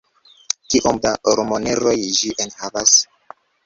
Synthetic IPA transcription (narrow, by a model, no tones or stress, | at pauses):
kiʔomdaɾomoneɾo̞jʒiʔenhavas